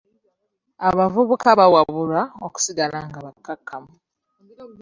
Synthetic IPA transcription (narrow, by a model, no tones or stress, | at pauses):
aβavuβukaβawaβuɾaoku̥siɡalaŋɡaβakːakʰːamu